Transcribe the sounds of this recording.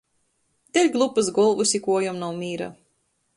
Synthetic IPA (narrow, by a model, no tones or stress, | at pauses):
d̪ɛlʲɡlˠupɨsɡɔlˠvusʲikuɔjɔmnawmʲiːɾa̰